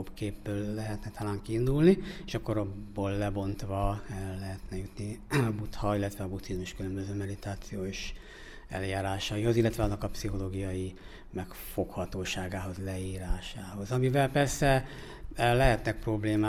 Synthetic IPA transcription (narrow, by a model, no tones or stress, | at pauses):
obkeːbːøːlːɛɦɛt̪nɛt̪ʰɒlaːŋkiːnd̪ulnieːʃɒkoɾobːoːlːɛbo̞nt̪ʋɒlɛɦɛt̪nɛjut̪niɒbut̪hɒilːɛt̪ʋɛɒbut̪sizmuʃkylømbøzøːmɛd̪it̪aːt̪sijoːʃ | ɛ̰ljaːɾaːʃɒjiɦo̞zilːɛt̪ʋɛɒnːɒkɒpsiɦo̞loːɡijɒji | mɛkfo̞khɒt̪oːʃaːɡaːɦo̞zlɛiːɾaːʃaːɦo̞zɒmivɛlpɛrsɛ | lɛɦɛt̪nɛk̚pro̞bleːmaː